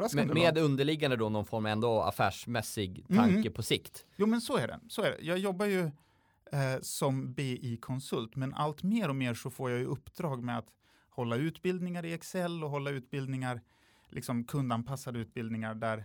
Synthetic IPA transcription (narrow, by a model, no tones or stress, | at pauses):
meːd̪ɵnd̪əɭɪɡːand̪əd̪ɔnɔnfɔɾmɑɛnd̪ɔa̰fæːʂmɛsɪɡt̪ʰaŋkəpʰɔsɪkt̪juːmɛnsɔæɖɛ̰sɔæɖɛ̰jɑːɡjɔbːajɵ | sɔmbeːʔikʰɔnsɵlt̪mɛnʔa̰lt̪meːɾɔmeːɾʂɔfoːɾjɑːjɵʔɵpːd̪ɾɑːɡmɛat̪ | hɔlːaʉ̟ːt̪bɪld̪nɪŋaɾɪɛksɛlːɔɦɔlːaʉ̟ːt̪̚bɪld̪nɪŋaɾ | lʔɪ̰ksɔmkʰɵnd̪anpʰasːad̪əʉ̟ːt̪̚bɪld̪nɪŋaɖæɾ